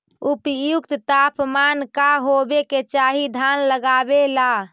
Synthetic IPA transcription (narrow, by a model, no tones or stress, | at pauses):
upjukt̪t̪apmankaɦobeket͡ʃaɦid̪ʱanləɡabela